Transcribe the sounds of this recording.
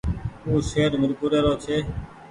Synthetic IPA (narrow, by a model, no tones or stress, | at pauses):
uːseːəɾməɾkuːɾeːɾoːt͡ʃʰeː